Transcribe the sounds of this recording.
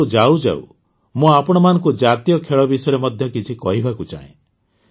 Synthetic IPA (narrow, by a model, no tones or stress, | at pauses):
ud͡ʒaud͡ʒa̰ṵ | mũapɔɽ̃ɔmanɔ̃ŋkud͡ʒat̪ijɔkʰeɭɔbisɔjɾemɔd̪ʱjɔkit͡ʃʰikɔɦibʱakut͡ʃa̰ḛ̃